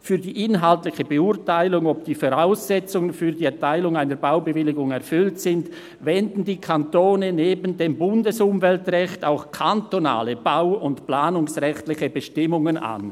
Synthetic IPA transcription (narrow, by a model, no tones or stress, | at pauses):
fyːɐdiːʔɪnɦaltlɪçəbəʊɐtaɪlʊŋɔp̚d̥iːfoʁaʊsːɛt͡sʊŋənfyːɐdiːɛɐtʰaɪlʊŋaɪnəɾbaʊbəvɪlɪɡʊŋɛɐfʏltsɪnd | vɛndn̩diːkʰantoːnəneːbən̩deːmbʊndəsʊmvɛltʁɛxtaʊxkʰantona̰ːləb̥aʊʊntplaːnʊŋsʁɛxtlɪçəbəʃtɪmʊŋəna̰n